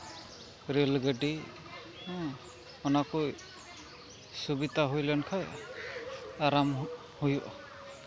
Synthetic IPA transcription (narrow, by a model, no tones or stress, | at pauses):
ɾelɡəɖĩ | ɔnakuj | subit̪aɦujlɛnkʰaj | aɾam | hujɔʔ